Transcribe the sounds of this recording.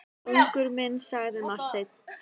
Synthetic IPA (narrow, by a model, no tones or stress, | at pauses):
ʏŋkʏɾmɪnːsaɣðɪmast̪ejt̪n̥